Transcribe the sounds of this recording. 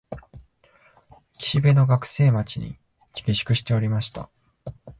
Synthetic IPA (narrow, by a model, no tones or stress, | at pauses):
kʲi̥ɕibe̞no̞ɡakɯ̟̥se̞ːmat͡ɕiɲ̟ḭ | t͡ɕʲi̥ɡʲeɕɨ̥kɯ̟ɕi̥t̪e̞o̞ɾʲimaɕi̥t̪a̰